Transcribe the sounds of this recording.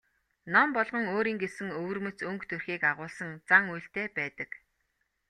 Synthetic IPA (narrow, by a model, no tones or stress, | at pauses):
nɔmpɔɮʁɞ̆ŋoːɾiːŋɡesɘ̆ŋɵwɵ̆rmɵ̆t͡sɵŋkt̪ʰɵrxiːkaʁʊːɮsə̆ŋt͡saŋujɬt̪eːpæːt̪ə̆k